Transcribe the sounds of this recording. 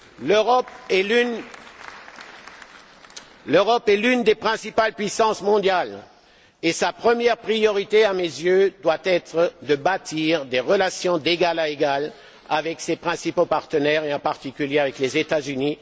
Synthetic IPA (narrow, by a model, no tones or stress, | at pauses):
løʁɔpɛyn | løʁɔpɛlynd̪epχɛ̃sipalpɥisɑ̃smɔ̃d̪jal | esapχəmjɛʁpχijɔʁit̪eamezjød̪wat̪ɛt̪χəd̪əbat̪ʰiʁd̪eʁəlasjɔ̃d̪eɡalaeɡal | avɛksepχɛ̃sipopaʁt̪ənɛʁeɑ̃paʁt̪ikʲyljeavɛklezet̪azyni